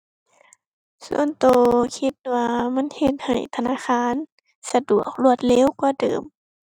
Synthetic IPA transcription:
sṵ˧˨ənt̪oː˧kʰi˧t̪̚waː˧ma˧˥˨nhe˧t̪̚ha̰˨˩jt̪ʰa˧naː˧˥˨xʰaː˧˥˨n | sa˧du˨˩ək̚lu˧˩ət̪̚lɛː˧˥˨wkɔː˧˩dɤ̰ː˨˩m

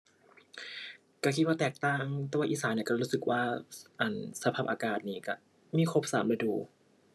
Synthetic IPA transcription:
ka˧˩kʰi˦˥waː˥˩t̪ɛː˨˩k̚t̪aː˧˩ŋt̪ɛː˧˩wa˧˥ʔiː˧˨˩saː˩˦ni˧˩˨ka˧˩ɾuː˦˥sɯ˨˩k̚waː˧˥˩ʔa˧˩nsa˧pʰaː˧˩pʔaː˧kaː˨˩t̪̚niː˧˩ka˧˩ | miː˧˥˨kʰo˦˥p̚saː˨˩˦mɾa˧duː˧˩

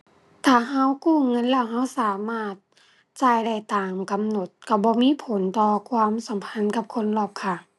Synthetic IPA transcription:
t̪ʰaː˧˩ɦa˧˥wkuː˧˥˩ŋɤ˧˥˨nlɛː˧˥˩wɦa˧˥˨wsaː˨˦maː˧˩t̪̚ | t͡ɕa˧˩˨jda˧˩jt̪aː˨mka˨mno˧˦t̪̚ka˧˩bɔː˧˦miː˧˥˨pʰo˨˦nt̪ɔː˧kʰwaː˧˥˨msa˨˦mpʰa˧˥˨nka˧˦p̚kʰo˧˥˨nlɔː˧˩p̚kʰa˧˩

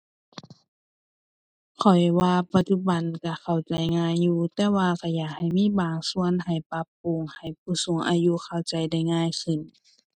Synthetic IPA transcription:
kʰɔ˨˩jwaː˧pa˧t̪̚t͡ɕu˧ba˨˦nka˧˩kʰa˨˩wt͡ɕa˨˩jŋaː˧˥˨jːuː˧t̪ɛː˧waː˧ka˧˩jaː˨˩k̚ha˨˩jmiː˧˥˨baː˨˩ŋsu˧ənɦa˨˩jpa˧˦pːuː˧˨ŋha˨˩jpʰuː˧˩su˨˦ŋʔa̰ː˧ju˧˥˨kʰa˧˨˩wt͡ɕa˨jda˧˩jŋaː˧˥˨jkʰɯ˧˩˨n

